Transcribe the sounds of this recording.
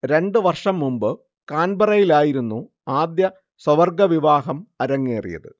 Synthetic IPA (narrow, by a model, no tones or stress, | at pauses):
ɾe̞ɳɖɨʋɐrʂɐmːumbɨ | kaːnbɐrɐjilaːjiɾunːu | aːd̪jɐ | swɐʋɐrɡɐʋiʋaːɦɐmɐɾɐŋːeːrḭjɐ̰ðɨ